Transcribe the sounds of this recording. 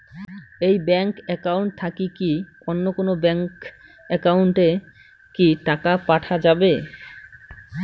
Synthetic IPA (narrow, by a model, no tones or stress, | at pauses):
ejbɛŋkɛkauwɳʈ̚t̪ʰakiki | onːokonobɛŋk | ɛkawɳʈe | kiʈakapaʈʰad͡ʑabe